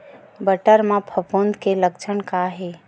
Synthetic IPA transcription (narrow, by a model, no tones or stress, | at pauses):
bəʈəɾmãpʰəpond̪kelək̚t͡ʃʰənkaɦe